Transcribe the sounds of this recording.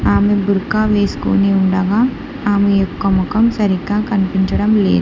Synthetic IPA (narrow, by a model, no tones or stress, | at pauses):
aːmebuɾkaːʋeːsko̰ːneuɳɖaːɡaː | aːmejɔkːɐmɔkɐmsɐɾikːaːkɐnipiɲt͡ʃɐɽɐmlḛːd̪u